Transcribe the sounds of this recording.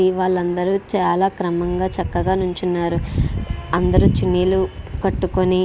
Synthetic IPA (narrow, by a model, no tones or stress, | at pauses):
iʋaːɭːɐnd̪ɐɾut͡ʃaːlaːkɾɐmɐŋɡaːt͡ʃɐkːɐɡaːnuɲt͡ʃunːaːɾu | ɐnd̪ɐɾut͡ʃinːiːlukɐʈːukoni